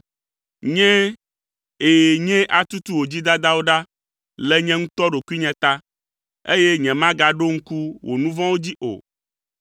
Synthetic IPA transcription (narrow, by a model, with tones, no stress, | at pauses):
ɲɛ̃˦ | e˨ɲɛ̃˦ʔa˨t̪u˦t̪u˦wo˨d͡ʑi˦d̪a˦d̪a˦wo˦ɖa˦ | lɛ˦ɲɛ̃˦ŋũ˦t̪ɔ˦ɖo˨ku˦i˦ɲɛ̃˨t̪a˦ | ḛ˦jɛ˦ɲɛ̃˨mã˦ɡa˨ɖo˦ŋ̩˦ku˦wʔo̰˨nũ˦vã˦wo˦d͡ʑi˦ʔo̰˨